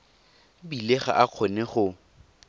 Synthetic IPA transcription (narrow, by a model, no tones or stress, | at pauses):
bileχa̰ʔaq͡χʰɔnɛχʊ